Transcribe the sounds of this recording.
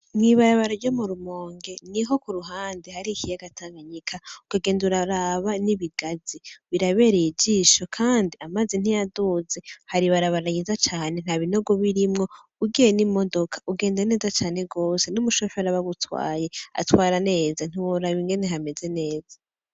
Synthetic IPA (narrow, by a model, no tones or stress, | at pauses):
mŋiβaɾaβaɾaɾɟomuɾumoːŋɡe̞niɦo̞kuɾuɦaːndehaɾikijaɡataːŋɡaɲikʰaukaɡe̞ːnduɾaɾaβaniβiɡaziβiɾaβe̞ɾid͡ʒiʃokʰaːndiamazen̥ijaduzehaɾiβaɾaβaɾaɲizat͡ʃaːne̞n̥haβino̞ɡoβiɾimŋo̞ | uɡijenimo̞do̞kʰḁʔuɡe̞ːndane̞ːzat͡ʃaːne̞ɡo̞ːse̞numuʃofeaɾaβaβutwa̰ːje̞a̰twaːɾane̞ːzan̥iwoɾaβiŋɡe̞ne̞ɦame̞ze̞ne̞ːz̥a